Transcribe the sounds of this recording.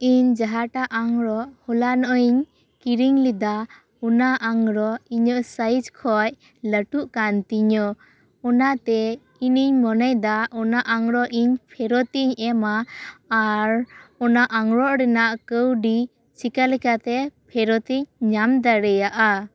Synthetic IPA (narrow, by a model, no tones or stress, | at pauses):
iɲd͡ʒaɦaʈaʔaŋɾɔʔhɔlanɔʔɔiɲ | kiɾiŋlid̪a | ɔnaʔaŋɾɔiɲɔʔsad͡ʒkʰɔj | ləʈuʔkant̪iɲɔ | ɔnat̪ɛ | iniɲmɔnɛjd̪aʔɔnaʔaŋɾɔʔiɲpʰɛɾɔt̪iɲɛmaː | ɾɔnaʔaŋɾɔʔɾɛnaʔkəwɖi | t͡ʃʰikalɛkat̪ɛpʰɛɾɔt̪iɲɲamd̪aɾɛjaʔa